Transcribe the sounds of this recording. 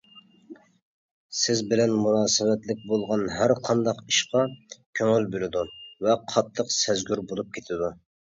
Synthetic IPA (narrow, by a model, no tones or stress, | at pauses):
sɪzbɪlɛnmunɑːsɨmɛt̪lɪk̚ʲbolˠʁɑnɦæɾqʰɑnd̪ɑqiʃqɑkʲʰøŋɪlbølɪd̪uvɛqʰɑt̪ʰːəqsɛzɡʲyɾbolˠup̚kʲʰet̪ʰɪd̪u